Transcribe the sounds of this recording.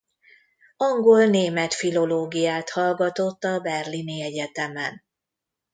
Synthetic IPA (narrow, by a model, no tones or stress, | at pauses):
ɒŋɡolneːmɛt̪filo̞loːɡijaːt̪hɒlɡɒt̪o̞t̪ːɒbɛrliniɛɟɛt̪ɛmɛn